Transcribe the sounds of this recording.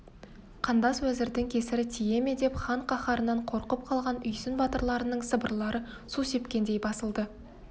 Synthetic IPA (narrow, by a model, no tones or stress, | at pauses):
qʰɑnd̪ɑswɵzɪɾd̪ɪŋkʲʰe̞sɪɾɪt̪ʰije̞me̞d̪e̞pχɑɴqʰɑχɑɾənɑɴqʰo̞ɾqəp̚qʰɑlˠʁɑnʏjsɪnbɑt̪əɾlˠɑɾənəɴsəbə̰ɾlˠɑɾə | suse̞pkʲe̞nd̪ejbɑsəlˠd̪ə